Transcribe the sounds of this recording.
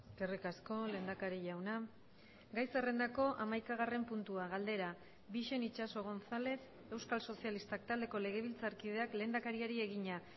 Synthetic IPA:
kerikasko̞le̞ːnd̪akaɾiʝawna | ɡajsere̞nd̪ako̞ʔamajkaɣ̞are̞mpunt̪uaɣald̪e̞ɾa | βiʃe̞nit͡ʃaso̞ɣ̞o̞nθale̞θ | e̞wskalso̞sialist̪ak̚t̪ald̪e̞ko̞le̞ɣ̞e̞β̞ilt͡saɾkið̞e̞akle̞ːnd̪akaɾiaɾie̞ɣiɲa

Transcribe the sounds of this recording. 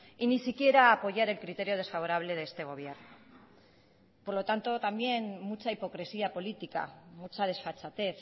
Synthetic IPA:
inisikje̞ɾaːpo̞ʝaɾe̞lkɾit̪e̞ɾio̞ð̞e̞sfaβ̞o̞ɾaβ̞le̞ðest̪e̞ɣ̞o̞βjern | po̞ɾlo̞t̪ant̪o̞t̪ambje̞nmut͡saipo̞kɾe̞siapo̞lit̪ika̰mut͡sað̞e̞sfat͡sat̪e̞θ

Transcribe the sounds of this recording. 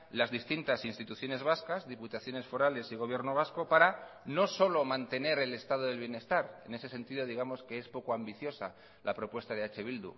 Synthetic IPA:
lazðist̪int̪asinst̪it̪uθjo̞ne̞zβaskazðiput̪aθjo̞ne̞sfo̞ɾale̞siɣ̞o̞β̞je̞ɾno̞β̞asko̞paɾano̞so̞lo̞mãnt̪e̞ne̞ɾe̞le̞st̪að̞oðe̞lβje̞ne̞st̪aɾe̞̰ne̞se̞se̞nt̪iðo̞ð̞iɣamo̞skeespo̞koambiθjo̞sa | lʔapɾo̞pwe̞st̪aðeat͡ʃe̞βild̪ṵ

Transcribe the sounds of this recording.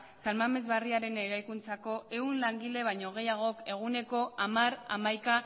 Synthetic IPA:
salmame̞zβariaɾe̞neɾajkunt͡sako̞ʔe̞unlaŋɡile̞β̞ajɲo̞ɣ̞e̞jaɣ̞o̞ke̞ɣ̞une̞ko̞amaɾa̰majka

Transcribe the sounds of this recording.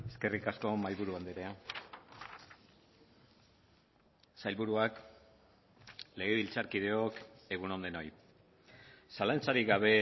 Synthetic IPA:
e̞ske̞rikasko̞majβuɾuand̪eɾea | sajlβuɾuak | le̞ɣ̞e̞βilt͡saɾkið̞e̞o̞ke̞ɣ̞uno̞nd̪eno̞j | salant͡saɾiɡaβ̞e̞

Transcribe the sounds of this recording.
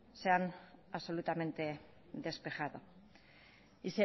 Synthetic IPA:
seanaβso̞lut̪ame̞nt̪e̞ | ðe̞spe̞xaðo̞ | ise

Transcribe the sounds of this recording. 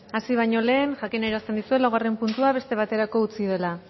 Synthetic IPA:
asiβ̞aɲo̞le̞ːnʝakine̞ɾoast̪e̞nd̪isue̞lawɣare̞mpunt̪uaβ̞e̞st̪e̞β̞at̪e̞ɾako̞ut͡sið̞e̞la

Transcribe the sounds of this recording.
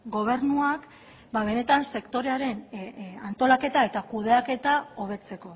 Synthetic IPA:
ɡo̞β̞e̞ɾnuak | baβ̞e̞ne̞t̪anse̞kt̪o̞ɾe̞aɾe̞nant̪o̞lake̞t̪ae̞t̪akuð̞e̞ake̞t̪ao̞β̞e̞t͡se̞ko̞

